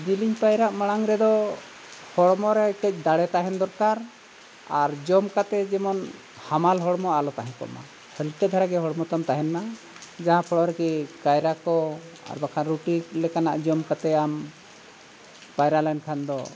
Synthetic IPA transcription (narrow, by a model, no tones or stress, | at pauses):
d̪iliɲpajɾaʔmaɽ̃aŋɾɛd̪ɔ | hɔɽmɔɾɛkɛc̚ˀd̪aɽɛt̪aɦɛnd̪ɔɾkaɾ | aɾd͡ʒɔmkat̪ɛd͡ʒɛmɔn | hamalɦɔɽmɔalɔt̪aɦɛ̃kɔ̰ʔma̰ | hɛlt̪ɛd̪ʱaɾaɡɛɦɔɽɔmɔt̪amt̪aɦɛnma | d͡ʒaɦãpʰɔɽɔɾɛkikajɾakɔa̰ɾbakʰanɾuʈilɛkana̰ʔd͡ʒɔmkat̪ɛam | pajɾalajnkʰand̪ɔ